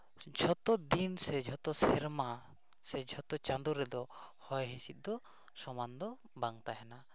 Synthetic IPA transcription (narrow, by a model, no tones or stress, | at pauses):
d͡ʒʱɔt̪ɔd̪insɛd͡ʒʱɔt̪ɔsɛɾma | sɛd͡ʒʱɔt̪ɔt͡ʃand̪uɾɛd̪ɔhɔjɦisit̪̚d̪ɔ | sɔmand̪ɔ | baŋt̪aɦɛna